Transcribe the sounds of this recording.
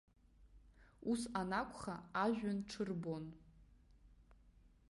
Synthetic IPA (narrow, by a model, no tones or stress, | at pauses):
usanakʷʰʼχaaʒᶣʷanʈ͡ʂʰɨrbon